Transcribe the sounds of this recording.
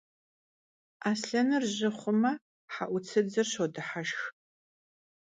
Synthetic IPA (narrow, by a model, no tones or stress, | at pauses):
aːsɬɐnɨrʑɪχʷʊmɐ | ħaʔʷʊt͡sʰɨd͡zɨrɕodɨħaʃx